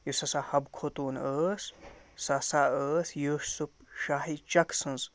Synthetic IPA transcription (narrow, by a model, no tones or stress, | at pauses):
josasahɐbkʰot̪uːnəːssasaʔəːsjoʃsupʃaːɦit͡ʃɐkʰsɨ̃nz